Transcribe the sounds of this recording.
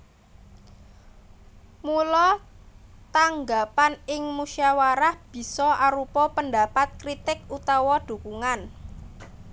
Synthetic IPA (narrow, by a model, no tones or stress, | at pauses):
mulɔ | t̪aŋɡapanɪŋmuʃiawaɾahb̥i̤sɔaɾupɔpənd̪a̤pat̪̚kɾit̪ɪkut̪ɔwɔd̪̥ṳkuŋan